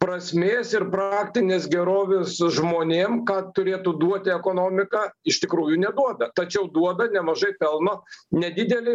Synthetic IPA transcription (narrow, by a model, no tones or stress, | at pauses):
pɾɐsʲmʲeːsɪrpɾɑaːkt̪ʲɪnʲeːsɡʲɛɾoːʋʲesʒmoːnʲeːmkɑːt̪ʊɾʲeːt̪ud̪uɔt̪ʲɪɛkoːnoːmʲɪkɑɪʃt̪ʲɪkɾuːjʊnʲɛd̪uɔd̪ɐt̪ɐt͡ʃʲɛʊd̪uɔd̪ɐnʲɛmɐʒɐɪpʲɛlˠnoːnʲɛd̪ʲɪd̪ʲɛlʲɪ